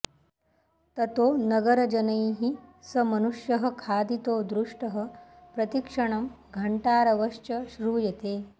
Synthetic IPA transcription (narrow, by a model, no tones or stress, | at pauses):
t̪ɐt̪oːnɐɡɐɾɐd͡ʒɐnɐjɦisɐmɐnuʂjɐɦə̆kʰaːd̪it̪oːd̪ɾuʂʈɐɦə̆pɾɐt̪ikʂɐɳ̃ɐm | ɡʱɐɳʈaːɾɐʋɐʂt͡ʃɐʃɾuːjɐt̪eː